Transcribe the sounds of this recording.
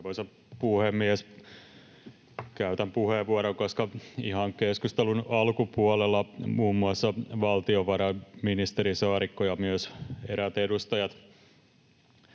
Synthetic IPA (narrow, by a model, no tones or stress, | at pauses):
ʋosɑ | puhemːies | kæyt̪æmpuheʋuoɾoŋkoskɑihɑŋkeskust̪elunɑlkupuolelːɑmuːmːuɑsːɑʋɑlt̪ioʋɑɾɑminist̪eɾisɑːɾikːojɑmyøseɾæt̪edust̪ɑjɑt̪